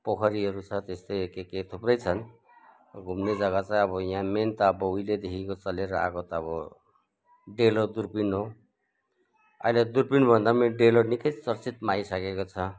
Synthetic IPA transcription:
pʌkʰʌɾiʌɾut͡sʰʌt̪est̪ʌjkeket̪ʰuprʌjt͡sʰʌn | ɡʱumned͡zʌɣat͡saj̃ʌbʌjãment̪aːbʌuiled̪ekʰikot͡sʌleɾʌa̰ɡot̪ʌbʌ | ɖelod̪urpinɦo | a̰iled̪urpinbʱʌnd̪ameɖelonikʌjt͡sʌrt͡sit̪majsʌkekot͡sʰʌ

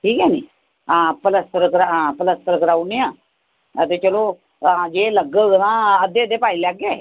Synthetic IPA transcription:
ʈiːkjani | ãpələst̪əɾəkɾaapələst̪əɾəkɾawnjã | əd̪et͡ɕəlo | ajeləɡəɡənãəd̪eəd̪epajilaɡe

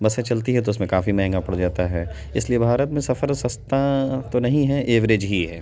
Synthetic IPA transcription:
bɐset͡ʃɐlt̪iɦɛt̪̬oʊsmẽkaːfimɛɦɛ̃ŋɡapɐɽd͡ʒaːt̪aɦɛː | ɪsliebʱaːɾət̪mẽsɐfəɾsɐst̪ãt̪onɐɦĩɦɛʔeːʋɾed͡ʒɦiɦɛː

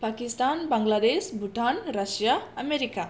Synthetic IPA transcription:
pakist̪anbaŋɡlad̪esbuʈanɾəsjaɐmeɾika

